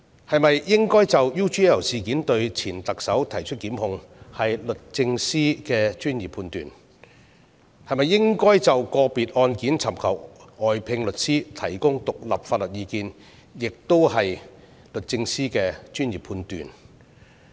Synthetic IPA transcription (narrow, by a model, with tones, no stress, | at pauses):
hɐ˨jmɐ˨jːɪ˥ŋkɔː˥jt͡sɐ˨wjuː˥t͡ʃiː˥ɐ˨˩wsiː˨kiː˨˥nt̪ɵ˧ɥt͡sʰiː˨˩nt̪ɐ˨k̚sɐ˨˥wt̪ʰɐ˨˩jt͡ʃʰɵ˥t̚kiː˨˥mhʊ˧ŋ | hɐ˨jlɵ˨t̚t͡sɪ˧ŋsiː˥kɛː˧t͡ʃyː˥njiː˨˩pʰuː˧nt̪yː˨˩n | hɐ˨jmɐ˨jːɪ˥ŋkɔː˥jt͡sɐ˨wkɔː˧piː˨t̚ɔː˧nkiː˨˥nt͡sʰɐ˨˩mkʰɐ˨˩wɔː˨˩jpʰɪ˧ŋlɵ˨t̚siː˥t̪ʰɐ˨˩jkʊ˥ŋt̪ʊ˨k̚lɐ̰˨p̚faː˧t̚lɵ˨t̚jiː˧kiː˧n | jɪ˨k̚t̪o˥whɐ˨j | lɵ˨t̚t͡sɪ˧ŋsiː˥kɛː˧t͡ʃyː˥nji˨˩pʰuː˧nt̪y̰ː˨˩n